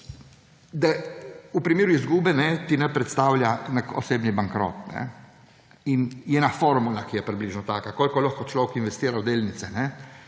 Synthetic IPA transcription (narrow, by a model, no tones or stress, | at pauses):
d̪aupɾimeːɾuizɡuːbɛnɛt̪inɛpɾɛt̪st̪aːwlʲjanako̰seːbnibaŋkɾo̰ːt̪nɛ̰ | injɛnafoɾmulakijɛpɾibliʒnɔt̪aːkakoːlkɔlaxkɔt͡ʃlɔːʋɛkinʋɛst̪iːɾawd̪eːlnit̪sɛnɛ